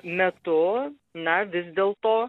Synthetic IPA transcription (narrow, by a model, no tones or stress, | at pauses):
mʲɛt̪ʊ | nɐʋʲɪzd̪ʲeːlˠt̪oː